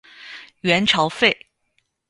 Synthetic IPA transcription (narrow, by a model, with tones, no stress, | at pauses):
ɥɛ˧˥nʈ͡ʂʰɑ˧˥ʊfe˥˩ɪ